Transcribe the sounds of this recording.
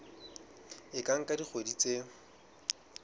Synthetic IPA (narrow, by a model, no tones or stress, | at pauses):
ɪkʼaŋ̩kʼadik͡xʰodit͡sʼe